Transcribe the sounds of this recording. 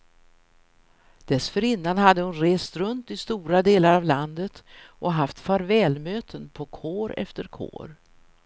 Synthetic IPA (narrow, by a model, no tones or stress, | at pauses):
d̪̥ɛsfœɾɪnːanhad̪ːəhʊnɾeːst̪ɾɵnt̪ɪst̪uːɾad̪eːlaɾavland̪ət̪ʔɔɦaft̪faɾvɛːlmøːt̪ʰənpʰɔkʰoːɾɛ̰ft̪əɾkʰo̰ːɾ